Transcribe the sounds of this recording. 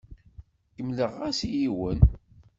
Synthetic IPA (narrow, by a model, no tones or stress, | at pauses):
kəmləʁæsijiwən